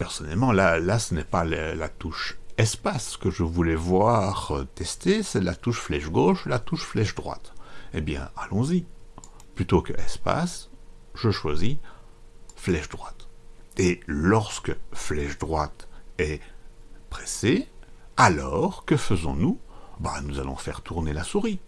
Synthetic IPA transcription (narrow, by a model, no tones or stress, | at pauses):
pɛʁsɔnɛlmɑ̃lalasənɛpala̰t̪uʃɛspasə̥kəʒəvulɛvwaʁøt̪ɛst̪esɛlat̪uʃflɛʃɡoːʃlat̪uʃflɛʃd̪ʁwa̰t̪ebjɛ̰̃alɔ̃ziplyt̪okəʔɛspa̰sʒ̥əʃwazi | flɛʃd̪ʁwat̪elɔʁskəflɛʃd̪ʁwat̪ɛ | pχɛsealɔːʁkəfəzɔ̰̃nubanuza̰lɔ̰̃fɛʁt̪ʰuʁnelasuʁi